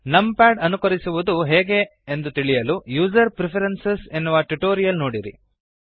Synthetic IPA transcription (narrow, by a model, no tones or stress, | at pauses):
nɐmpaːɖɐnukɐɾisuʋud̪uɦɛːɡe̞end̪ut̪iɭijɐlujuːd͡ʒɐɾpɾepʰɐɾensesenːuʋɐʈuʈoːɾijɐlnoːɽiɾḭ